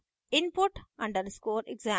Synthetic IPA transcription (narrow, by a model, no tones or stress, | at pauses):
ɪ̃npʊʈʌ̃ɳɖəɾskoːɾeɡzæ̃